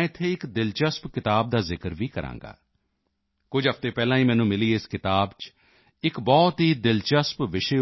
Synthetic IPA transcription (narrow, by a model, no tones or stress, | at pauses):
ɪt̪ʰːeːɪkd̪ɪlt͡ʃəspkɪt̪aːb̚d̪aːzɪkəɾʋiːkəɾã̰ːŋɡa̰ː | kʊd͡ʒɦəft̪eːpɛːlãːĩːmɛ̃ːnũːmɪliːɪskɪt̪aːbt͡ʃ | ɪkbɔːt̪ɦiːd̪ɪlt͡ʃəspʋɪʃeː